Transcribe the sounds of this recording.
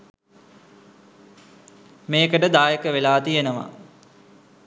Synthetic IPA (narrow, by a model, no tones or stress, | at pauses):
meːkəʈəd̪aːjəkəʋelaːt̪ijenəʋa̰